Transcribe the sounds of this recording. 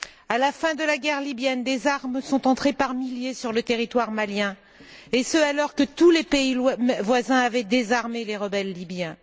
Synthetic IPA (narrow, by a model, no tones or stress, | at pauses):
alafɛ̃d̪əlaɡʲɛʁlibjɛnd̪ezaʁmsɔ̃t̪ɑ̃t̪χepaʁmiljesyʁlət̪eʁit̪waʁmaljɛ̃ | esəalɔʁkət̪ulepeivwazɛ̃avɛd̪ezaʁmeleʁəbɛlːibjɛ̃